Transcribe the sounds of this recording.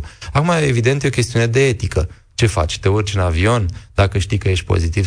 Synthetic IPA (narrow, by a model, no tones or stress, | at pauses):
akumaevid̪ent̪jeo̞kʲe̞st̪iune̞d̪e̞e̞t̪ikə | t͡ʃe̞fa̰t͡ʃʲt̪əort͡ʃunavio̞nd̪̥akəʃt̪ikəje̞ʃt̪̚ʲpo̞̰zit̪iv